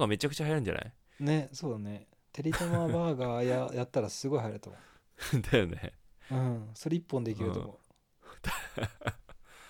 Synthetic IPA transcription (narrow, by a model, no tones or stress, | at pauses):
ɡame̞t͡ɕakɯ̟t͡ɕahajaɾɯ̟nɲd͡ʑa̰na̰i | ne̞so̞ːd̪ane̞ | t̪eɾʲit̪omaːbaːɡajajat̪ːaɾasɨɡo̞iɦajɾɯt̪o̰mo̰ | d̪ajonḛɯ̟̃ɴsoɾeipːõnd̪ek̬ʲiɾɯo̰mo̰ | d̪a